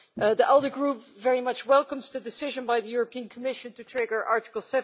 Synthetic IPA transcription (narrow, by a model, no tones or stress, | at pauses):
ʔðiʔɛlˠdə˞ɡɹupvɛɹimʌt͡ʃwɛlˠkə̃mzðɨdɨsɪʒə̃nbaɪðəjʊɹəpĩə̃nkʰəmɪʃɨ̃ntɨtʰɹ̥ɛɡə˞ʔɑɹtɪ̥kl̩ˠsɛv